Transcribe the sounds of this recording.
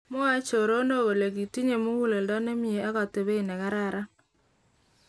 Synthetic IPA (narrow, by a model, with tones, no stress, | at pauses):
mo˦a˦t͡ʃo˨ɾo˦ndo˦˨ɣo˨le˨ɡi˨ti˦ɲe˨mo˦wu˦le˨ldɔ˦ne˦mi˦e˨a˦ɣɔ˨te˨βe˦i˨nɛ˨ɣa˦ɾa˦ɾa˦